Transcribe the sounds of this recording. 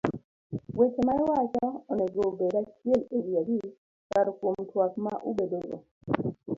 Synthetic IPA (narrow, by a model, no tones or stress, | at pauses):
wet͡ʃemaɛwat͡ʃaɔnɛɡobedat͡ʃjeleljaɡi | kaɾɔkomtwakmaʔubedoɡo̰